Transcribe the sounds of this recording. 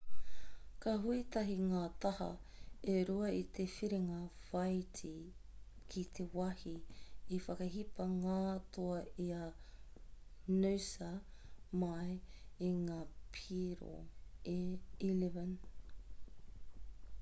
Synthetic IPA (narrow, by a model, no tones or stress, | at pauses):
kɐɦuit̪ɐɦiŋaːt̪ɐhɐ̰ | eɾuɐit̪ʰefiɾeŋɐfɐjtʰi | kʰit̪ʰewɐhiifɐkɐɦipɐŋaːt̪ʰoɐia | nuwsɐmɐjeŋaːpʰiɾo̰eilivɐn